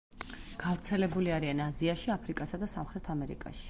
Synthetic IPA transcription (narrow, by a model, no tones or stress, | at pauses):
ɡ̥avɾt̪sʰɛlɛbuliaɾianaziaʃiapʰɾikʼasad̪asamχɾɛt̪ʰamɛɾḭkʼa̰ʃi̥